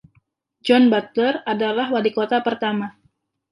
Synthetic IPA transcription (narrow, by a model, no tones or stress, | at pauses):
d͡ʒɔnbat̪ləradalahwadikot̪apərt̪ama